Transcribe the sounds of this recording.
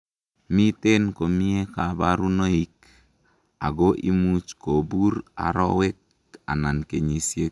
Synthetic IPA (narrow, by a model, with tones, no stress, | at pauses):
mi˦te˦nko˨mi˦e˦ka˨ba˦ɾu˦no˦i˦k̚ | a̰˨ɡo˦ʔi˦mu˦t͡ʃko˨bu˦ɾa̰˨ɾɔ̰˦wɛ˦k̚ | a̰˨na˨nke˨ɲi˨sje˦